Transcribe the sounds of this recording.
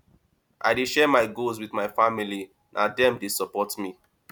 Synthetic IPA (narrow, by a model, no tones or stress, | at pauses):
ʔa̰ɪdeʃɛmaɪɡos̬widmaɪfamili | nʔadɛ̃mdesɔpɔtmi